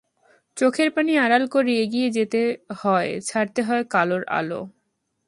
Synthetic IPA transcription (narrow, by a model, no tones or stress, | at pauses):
t͡ɕokʰeɾpaniaɾalkoɾieɡied͡ʑet̪ehɔet͡ɕʰaɾt̪eɦɔekaloɾa̰lo̰